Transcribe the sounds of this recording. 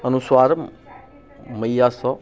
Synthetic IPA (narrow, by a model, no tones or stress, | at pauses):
ʌnuswaɾ | mʌjasʌ